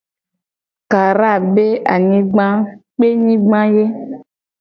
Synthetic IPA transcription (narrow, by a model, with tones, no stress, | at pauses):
ka˨ɾa˦˨be˦a˨ɲĩ˦ɡ͡bã˦k͡pe˦ɲĩ˦ɡ͡bã˦je˦